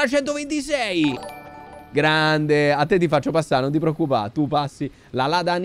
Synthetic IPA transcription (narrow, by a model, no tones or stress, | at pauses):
lat͡ʃɛnt̪ovent̪isɛj | ɡɾand̪eat̪ːet̪̬ːifat͡ʃːopasːaɾnont̪ipɾeokːupa̰t̪upasːi | lalad̪aːn